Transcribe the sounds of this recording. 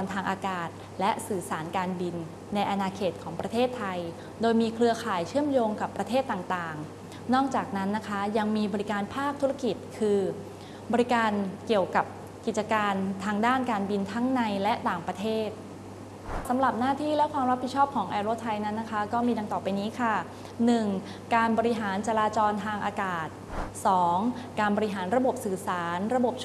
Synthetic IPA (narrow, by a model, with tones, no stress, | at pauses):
nt̪ʰaː˧ŋʔaː˧kaː˨˩t̪̚ | lɛ˦˥ʔsɯː˨˩saː˩˦nkaː˧nbi˧nː | a˧jʔa˧naː˧kʰeː˨˩t̪̚kʰɔː˩˦ŋpɾa˧t̪ʰeː˥˩t̪ʰːa˧j | doː˧jmiː˧kʰɾɯ˧ɐkʰaː˨˩jt͡ɕʰɯ˥˩əmjoː˧ŋka˨˩pːɾa˧t̪ʰeː˥˩t̪ːaː˨˩ŋt̪aː˨˩ŋ | nɔː˥˩k̚t͡ɕaː˨˩k̚na˦˥nːa˦˥kʰa˦˥ja˧ŋmiː˧bɔː˧ɾi˦˥kaː˧npʰaː˥˩k̚t̪ʰu˦˥ɾa˥˧ki˨˩t̪̚kʰɯː˧ | bɔː˧ɾi˦˥kaː˧nki˨˩əwka˨˩p̚ | ki˨˩t̪̚t͡ɕa˧kaː˧nt̪ʰaː˧ŋdaː˥˩nkaː˧nbi˧nt̪ʰa˦˥ŋna˧jlɛ˦˥t̪aː˨˩ŋpɾa˧t̪ʰeː˥˩t̪̚ | sa˩˦mɾa˨˩p̚naː˥˩t̪ʰiː˥˩lɛ˦˥kʰwaː˧mɾa˦˥t̪pʰi˨˩t̪̚t͡ɕʰɔː˥˩p̚kʰɔː˩˦ŋʔa˧ɾoː˧˩t̪ʰa˧jna˦˥nːa˦˥kʰa˦˥kɔː˥˩miː˧da˧ŋt̪ɔː˨˩pa˧jniː˦˥kʰa˥˩ | nɯ˨˩ŋ | kaː˧nbɔː˧ɾi˦˥ɦaː˩˦nt͡ɕa˧ɾaː˧t͡ɕɔː˧nt̪ʰaː˧ŋʔa̰ː˧kaː˨˩t̪̚sɔː˩˦ŋkaː˧nbɔː˧ɾi˦˥ɦaː˩˦nɾa˧bo˨˩p̚sɯː˨˩saː˩˦nɾa˧bo˨˩p̚